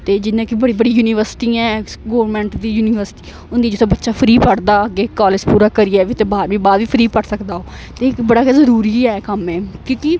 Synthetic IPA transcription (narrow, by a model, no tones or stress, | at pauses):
t̪eːd͡ʒɪnːẽːkibəɽiːbəɽiːjuːniːʋəɾsɪ̥ʈiːɛ̃ːɡoːʋɾmɛ̃ːɳʈd̪iːjuːnɪːʋəɾsʈiː | ʊnd̪iːd͡ʒot̪ʰẽbətːʃaːpʰəɾiːpəɽd̪aːəɡeːkaːled͡ʒpuːɾaːkəɾɪaːʋit̪ẽːbaːɾʋĩːbaːd̪ʋiːpʰəɾiːpəɽsəkd̪aːoː | t̪eːɪkbəɽaːkɛzəɾuːɾiːɛːkəmɛ̃ːkõːkɪ